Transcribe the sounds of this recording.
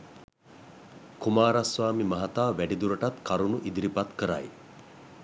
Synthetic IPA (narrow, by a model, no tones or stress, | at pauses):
kumaːɾasʋaːmimɐɦat̪aːʋæɖid̪uɾəʈat̪kaɾunuʔid̪iɾipat̪kəɾa̰j